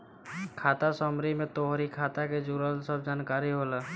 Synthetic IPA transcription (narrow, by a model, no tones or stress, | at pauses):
kʰaːt̪asɔmɾimẽt̪oɦɾikʰaːt̪aked͡ʒuɾəlsəbd͡ʒaːnkaːɾiɦolaː